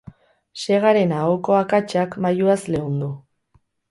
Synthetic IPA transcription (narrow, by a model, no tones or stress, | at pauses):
se̞ɣ̞aɾe̞naɣoko̞akat͡ʃakmajuasle̞und̪u